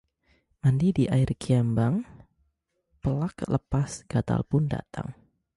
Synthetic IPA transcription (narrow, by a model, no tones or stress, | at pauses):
mandidiʔairkʰiambaŋ | pəlakləpasɡ̥at̪a̰lpʊnda̰t̪ʰa̰ŋ